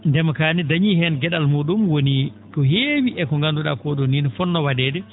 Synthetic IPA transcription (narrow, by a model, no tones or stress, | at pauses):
ndɛmakaːnidaɲihɛnɡɛɗalmuɗumwoni | kɔɦeːwiʔɛkɔŋɡanduɗakɔɗɔnːinɔfɔnːɔwadɛːdɛ